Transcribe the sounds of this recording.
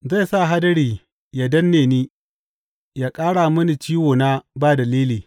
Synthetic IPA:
za˦˨sa˦˨ɦa˦dɐ˦ɽiː˨ | ja˨dɐ˦nːeː˨niː˦ | jaː˦kʼaː˦ɽa˨mɐ˦ni˨t͡ʃiː˦woː˨na˦baː˦dɐ˨liː˦liː˨

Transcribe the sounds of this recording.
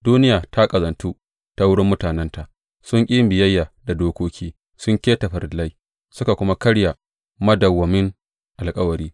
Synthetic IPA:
duː˦nɪ˦jaː˨tʰa˦kʼɐ˨zɐ˨ntuː˦ | ta˦wʊ˦ɽɪ˦mːʊ˦taː˨nɛ˦nta˨ʔ | sʊ˦ŋkʲʼi˦mbɪ˨jɐ˦jːaː˨da˨doː˦kʷoː˦kʲʰiː˦ | sʊ˦ŋkʲeː˦tɐ˨ɸɐ˨ɾla˦j | sʊ˦ka˨kʷʊ˦ma˦kɐ˦ɽja˨ | mɐ˦dɐ˨wːɐ˨mɪ˦ŋ | ʔa˨lkʼɐ˦wɐ˨ɾiː˦

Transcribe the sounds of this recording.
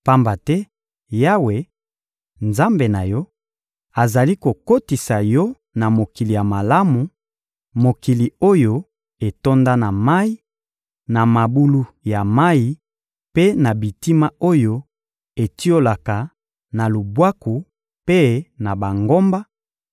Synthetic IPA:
pa˦mba˨tɛ˦ | ja˦we˨ | nza˦mbe˨na˨jɔ˦ | a˨za˨li˦ko˨ko˦ti˨sa˨jɔ˦ | na˨mo˨ki˨li˨ja˨ma˨la˦mu˨ | mo˨ki˨li˨o˦jo˦ | e˨to˦nda˦na˨ma˦i˦ | na˨ma˨bu˦lu˦ja˨ma˦i˨ | pe˦na˨bi˨ti˦ma˦o˦jo˦ | e˨ti˦o˦la˨ka˨ | na˨lu˨bwa˦ku˨ | pe˦na˨ba˨ŋɡo˦mba˦

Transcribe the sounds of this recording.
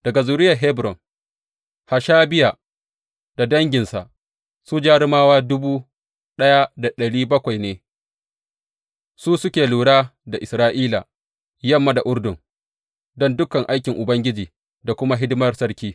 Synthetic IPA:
d̥ɐ˨ɡa˨zuː˨ɾɪ˦jɐ˨ɦɛ˦bɾɔ˨ŋ | ha˨ʃaː˦bɪ˦ja˨ | da˨dɐ˦ŋɡʲɪ˨nsa̰˨ʔ | su˦d͡ʒaː˦ɾɪ˦maː˦waː˦dʊ˦buː˦ | ɗɐ˦ja˦da˨ɗɐ˨ɽiː˦bɐ˦kʷa˨jneː˦ | suː˦sʊ˦kʲeː˨luː˨ɽaː˦da˨ʔɪ˨sɾaː˦ʔiː˦la˨ | jɐ˦˨mːa˦da˨ʔʊ˦ɽdʊ˨ŋ | dɔ˦ndʊ˦kɐ˨ŋʔa˦jkʲɪ˨ŋʔʊ˨bɐ˦ŋɡʲɪ˦d͡ʒiː˨ | da˨kʷʊ˦ma˦ɦɪ˦dɪ˦mɐ˦rsɐ˦ɽkʲiː˦

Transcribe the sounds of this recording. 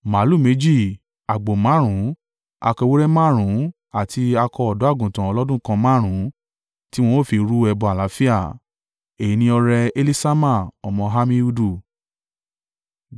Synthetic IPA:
ma˨˦lu˦˨me˨˦d͡ʒi˦˨ | a˨ɡ͡bo˨mã˨˦ɾ̃ũ˨˦ | a̰˧kɔ˧wo˦ɾɛ˦mã˦˨ɾ̃ũ˨˦ | a˨tʰi˧a˧kɔ˧ɔ˨dɔ˨˦a˦˨ɡũ˨tã˨ɔ˧lɔ˦dũ˦kã˧mã˦˨ɾ̃ũ˨˦ | ti˦w̃ɔ̃˧o˦˨fi˧ɾu˦ɛ˧bɔ˧a˨la˨˦fi˦a˦˨ | e˨i˨˧nĩ˧ɔ˧ɾɛ˧e˧li˦sa˦mã˦˨ɔ˨mɔ̃˧ɦa˧mĩ˧u˧du˦˨

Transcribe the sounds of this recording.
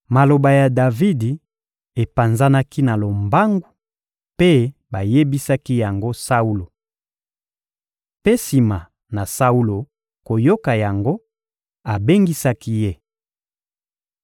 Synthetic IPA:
ma˨lo˨ba˨ja˨da˨vi˦di˨ | e˨pa˨nza˦na˦ki˦na˨lo˨mba˦ŋɡu˦ | pe˦ba˨je˦bi˦sa˦ki˦ja˨ŋɡo˦sa˦u˦lo˨ | pe˦si˨ma˨ | na˨sa˦u˦lo˨ | ko˨jo˦ka˨ja˨ŋɡo˦ | a˨be˦ŋɡi˦sa˦ki˦je˦

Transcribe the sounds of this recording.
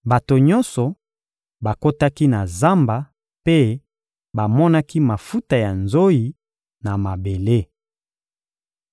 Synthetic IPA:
ba˨to˨ɲɔ̃˦nsɔ˨ | ba˨ko˦ta˦ki˦na˨za˦mba˨ | pe˦ | ba˨mɔ˦na˦ki˦ma˨fu˦ta˨ja˨nzo˦i˨ | na˨ma˨be˨le˦

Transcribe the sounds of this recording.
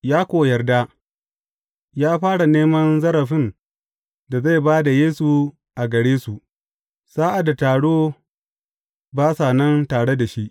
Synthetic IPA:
jaː˦kʷoː˨jɐ˨rda˦ | jaː˦ɸaː˦ɽa˨neː˦mɐ˦nzɐ˦ɾɐ˨ɸɪ˦n | da˨za˦˨jbaː˦da˨jeː˦su˨ | ʔa˨ɡɐ˨ɽeː˦su˨ʔ | saː˦ʔa˨da˨taː˨ɽoː˦ | baː˦saː˨nɐ˦ntaː˨ɽe˦da˨ʃi˦ʔ

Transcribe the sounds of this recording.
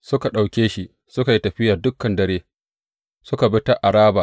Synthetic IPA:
sʊ˦ka˨ɗa˨wkʲeː˦ʃi˦ | sʊ˦ka˨ji˦tɐ˨ɸɪ˦jaː˨dʊ˦kːɐ˨ndɐ˨ɾeː˦ | sʊ˦ka˨bɪ˦ta˦ʔa˨ɽaː˦ba˨

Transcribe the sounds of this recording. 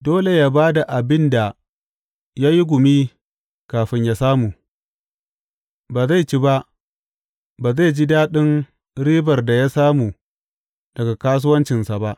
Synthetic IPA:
doː˦le˨jaː˦baː˦da˨ʔa˨bɪ˦nda˨ | ja˦ji˦ɡʷʊ˨mi˦ | kaː˨ɸɪ˦ɲja˦saː˦mu˨ | baː˨za˦˨jt͡ʃi˦ba˦ʔ | baː˨za˦˨jd͡ʒi˦daː˦ɗɪ˦ŋ | ɽiː˦bɐ˨rda˨ja˦saː˦mu˨ | d̥ɐ˨ɡa˨kaː˦s̬ʊ˦wɐ˦nt͡ʃɪ˨nsa˨ba˦ʔ

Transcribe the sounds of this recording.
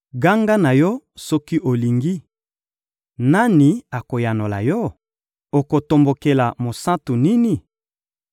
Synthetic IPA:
ɡa˦ŋɡa˦na˨jɔ˦sɔ˦ki˦ʔo˨li˨ŋɡi˦ | na˦ni˨a˨ko˨ja˨no˨la̰˨jɔ˦ | o˨ko˨to˨mbo˨ke˨la˨mo˨sa˦tu˨ni˦ni˨

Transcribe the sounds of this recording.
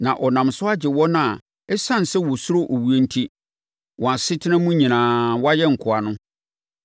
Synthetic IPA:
nã˨ʔɔ˨nã˨msʊ˦a˦d͡ʑɪ˨wɔ˦nʊ̃˦a˨ | ɛ˦sã˦n˨sɛ˦wɔ˨sʊ˦ɾo˦ʔo˨wu˦e˦n̩˦tʰi˦ | wʔɔ̃˨a˨sɪ˦tʰɪ˦nã˦mũ˦ɲĩ˨nãː˨wa˦jɛ˦ŋ̩˨kʰʊ˨a˨nʊ̃˦

